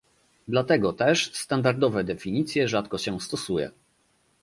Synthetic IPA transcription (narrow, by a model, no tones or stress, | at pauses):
d̪lat̪ɛɡɔt̪ɛʂst̪and̪aɾd̪ɔvɛd̪ɛfʲiɲit̪sʲjɛʐat̪kɔɕɛst̪ɔsujɛ̰